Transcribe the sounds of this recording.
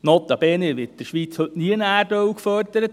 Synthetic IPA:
nɔt̪ːɑbeːneʋɪt̚d̥əɾʃʋiːt͡shɵtniəənæːrdœwkfœrd̪əɾət̪

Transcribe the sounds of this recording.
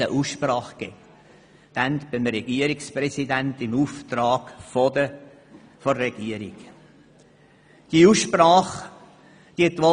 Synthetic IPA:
əʔuːsʃprɑːχɡ̥ɛ | d̪̥ænt̪b̥ɪmɾɛɡiəɾiksprɛsid̪ænt̪ɪmuːft̪ɾɑːɡ̥fɔd̪ə | fɔɾːɛɡ̥iəɾḭɡ̥ | d̥iuːsʃprɑːχ | d̪̥iət̪ʋɔ

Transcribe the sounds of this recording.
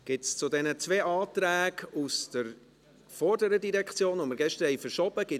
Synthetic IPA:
ɡ̥ɪtst͡sʊdɛnət͡sveːʔɑːt̪ɾæːɡusd̥əɾ | fɔɾdəɾədiɾɛkχt͡sjoːnʋoməɾɡɛʃtəɾhɛjfəɾʃɔb̥əɡ̥ɪ

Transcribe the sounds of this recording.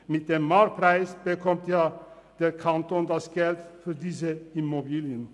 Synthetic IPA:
mɪt̪̚d̪ɛmmɑːɾpʰɾæɪsbəkʰɔmt̪jɑː | d̪̥ɛɾkʰɑnt̪oːnd̪ɑsɡɛlt̪fɔɾd̪iːsəɪmʊbiːlɪən

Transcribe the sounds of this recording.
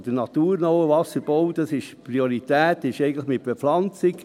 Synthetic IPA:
d̥ənɑt̪uːɾnowəvɑsəɾb̥owd̥ɑsɪʃpɾioɾit̪æːtɪʃɛɪɡən̩tləχmɪt̚b̥eflɑnt͡sɪk

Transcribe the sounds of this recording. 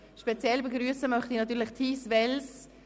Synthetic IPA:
ʃpɛt͡sjɛlbəɡryəsəmœχtinɑtyːɾlɪχt̪ʰiːsvɛls

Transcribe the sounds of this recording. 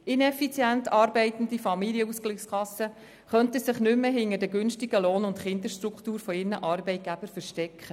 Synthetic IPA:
ɪnɛfit͡sjæntʰɑːɾbɛɪtən̩difɑmiliəusklɪχskʰɑsːə | χœntəsɪχnʏmːəɦɪnəɾdəɡʏnʃtiɡ̥əloːnʊntχɪnd̪əɾʃtɾukχtuːɾfɔɪrnəʔɑːɾbɛɪt̚ɡ̥æb̥əɾfəɾʃtɛkχə

